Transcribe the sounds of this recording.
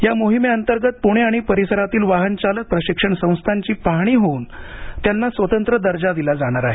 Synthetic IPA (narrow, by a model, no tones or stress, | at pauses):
jamoɦimeənt̪əɾɡət̪̚puɽ̃eaɽ̃ipəɾisəɾat̪iːlʋaɦənt͡ɕalək̚pɾəɕikʂəɳsə̃w̃st̪ʰaɲt͡ɕiːpaɦɽ̃iːɦouːnt̪janːasʋət̪ənt̪ɾəd̪əɾd͡ʑad̪ilad͡zaɽ̃aɾaɦe